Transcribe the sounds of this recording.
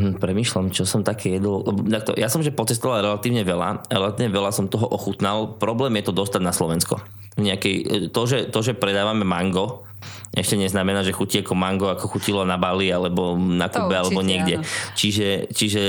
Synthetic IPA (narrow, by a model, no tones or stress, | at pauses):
pɾɛmiːʃlamt͡ʃɔsɔmt̪akʰɛːjɛd̪ɔlɛbɔd̪ak̚t̪ɔ̰jasɔmʒɛpɔt͡sɛst̪ɔʋalɾɛlat̪iːʊɲɛʋɛla̰aɾɛlat̪iːʊɲɛʋɛlasɔmt̪ɔɦɔʔɔxut̪nalpɾɔblɛːmjɛt̪ɔd̪ɔst̪aɟnaslɔʋɛnskɔ̰ | vɲɛakɛjt̪ɔʒɛt̪ɔʒɛpɾɛd̪aːʋamɛmaŋɡɔ | ʔɛʃcɛɲɛznamɛnaːʒɛxuciakɔmaŋɡɔakɔxucilɔnabalialɛbɔnakubɛalɛbɔɲɪɛɡdɛt͡ʃiʒɛt͡ʃiʒɛ